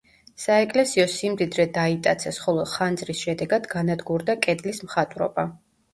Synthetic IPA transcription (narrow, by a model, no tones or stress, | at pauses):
saɛkʼlɛsiɔsimd̪id̪ɾɛd̪ait̪ʼat̪sʰɛsχɔlˠɔχand̪zɾisʃɛd̪ɛɡad̪ɡanad̪ɡuɾd̪akʼɛd̪lismχat̪ʼɾɔ̰ba